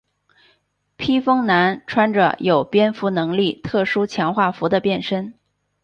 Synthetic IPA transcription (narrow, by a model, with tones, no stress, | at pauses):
pʰi˥fɤ˥ŋna˧˥nʈ͡ʂʰwa˥nʈ͡ʂə̰˧jo˨˩ʊpjɛ˥nfu˧˥nɤ˧˥ŋli˥˩t̪ʰɤ˥˩ʂu˥t͡ɕʰjɑ˧˥ŋxwa˥˩fu˧˥d̪ə˧pjɛ˥˩nʂə˥n